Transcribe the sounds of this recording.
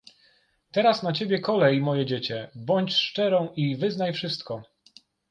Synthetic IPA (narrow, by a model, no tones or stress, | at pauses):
t̪ɛɾasnat͡ɕebʲjɛkɔlɛjmɔjɛd͡ʑet͡ɕɛbɔɲt͡ɕʂt͡ʂɛɾɔ̃w̃ʔivɘznajfʂɘst̪kɔ